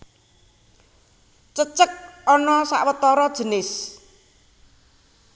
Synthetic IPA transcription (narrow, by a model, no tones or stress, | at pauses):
t͡ʃət͡ʃək̚ɔnɔsa̰ʔwət̪ɔɾɔd̥ʒ̥ə̤nɪs